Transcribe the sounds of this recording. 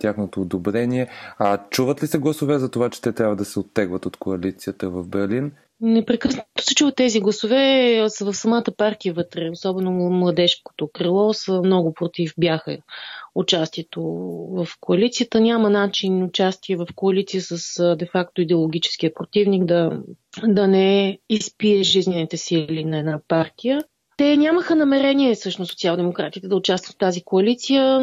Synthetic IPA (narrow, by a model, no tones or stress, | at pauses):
t̪jaxnot̪oːd̪obɾɛnʲiɛɐt͡ʃuvət̪lisɛɡlˠɐsovɛzɐt̪ovat͡ʃɛ̥t̪ɛt̪ɾʲabvəd̪ɐsɛot̪ːɛɡvət̪ot̪koɐlit̪siət̪əvɐvbɛɾlin | nɛpɾɛkɤsnət̪o̥sɛt͡ʃuvət̪ːɛziɡlˠɐsovɛsəvɐfsɐmat̪əpaɾkʲiɛvɤt̪ɾɛosɔbɛnomlˠɐd̪ɛʃko̥t̪okɾilˠɔsəmnɔɡʊpɾot̪ifbjaxə̰ʊt͡ʃast̪iɛt̪ovəfkoɐlit̪sijət̪ənʲamənat͡ʃinʊt͡ʃast̪iɛvɐfkoɐlit̪sijəsəsd̪ɛfakt̪oid̪ɛolˠoɡ̟ʲit͡ʃɛ̥sk̟iəpɾot̪ivniɡd̪ɐ | d̪ɐnɛispiɛʒizninit̪ɛsilinɐɛd̪napaɾt̪ijə | t̪ɛnʲaməxənɐmɛɾɛnʲiɛsɤʃnosot̪sialˠd̪ɛmokɾat̪it̪ɛd̪əʊt͡ʃast̪vət̪t̪ːazikoɐlit̪sijə